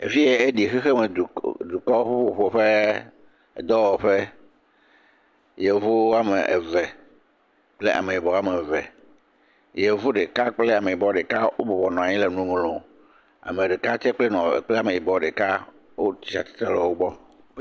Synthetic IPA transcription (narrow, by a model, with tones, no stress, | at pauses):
ḛ˨fi˦je˦e˦ɖi˨xi˦xe˦mẽ˨u˨d̪u˨kɔ˦ɸu˦ɸo˦ɸo˨ɸe˦˨ | d̪ɔ˦wɔ˨ɸe˦ | je˨vu˦a˦me˨ʔḛ˨vɛ˨ | k͡ple˦ʔa̰˨me˨i˨bɔ˨a˦me˨vɛ˨ | je˨vu˦ɖe˨ka˦k͡ple˦a˨mẽ˨i˨bɔ˦ɖe˨ka˦wʔo̰˦bɔ˨vɔ˨nɔ̃˨a˨ɲĩ˦le˨nũ˦ŋlɔ̃˨ | a̰˨mẽ˨ɖe˨ka˦t̪ɛ˦k͡ple˦nɔ̰̃˨k͡ple˦a˨mẽ˨i˨bɔ˨ɖe˨ka˦ | wo˦t̪i˨a̰˨t̪e̥˦t̪ɾe˦lɔ˨wo˦bɔ˦